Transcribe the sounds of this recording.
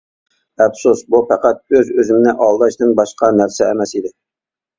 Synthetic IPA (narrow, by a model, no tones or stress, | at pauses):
ɛbsusbufæqæt̪̚øzøzɪmɪnɪʔɑlˠd̪ɑʃnɪnbɑʃqɑnæɾsɛːmɛsid̪ɪ